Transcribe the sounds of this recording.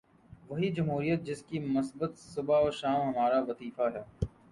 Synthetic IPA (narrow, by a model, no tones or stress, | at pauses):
ʋɐɦid͡ʒɐmɦuːɾijət̪̚d͡ʒɪskimʊsbət̪sʊbaoːɾʃaːmɦɐmaːɾaʋɐziːfaɦɛː